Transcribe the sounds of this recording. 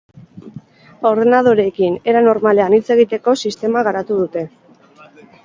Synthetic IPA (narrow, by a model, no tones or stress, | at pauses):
o̞ɾðenað̞o̞ɾe̞kine̞ɾano̞ɾmale̞anit͡se̞ɣ̞it̪e̞ko̞sist̪e̞maɣaɾat̪uðut̪e̞